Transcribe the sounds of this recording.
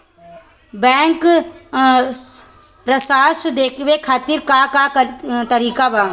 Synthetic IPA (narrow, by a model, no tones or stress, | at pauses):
bɛ̃ːŋk | ɾəsaːsd̪eːkʰʋeːkʰaːt̪ɪɾkaːkaːt̪əɾiːkaːbaː